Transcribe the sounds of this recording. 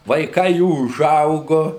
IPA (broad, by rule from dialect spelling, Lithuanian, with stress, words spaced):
ʋɐɪˈkɐɪ ˈjuː ʊˈʒɐʊɡʊ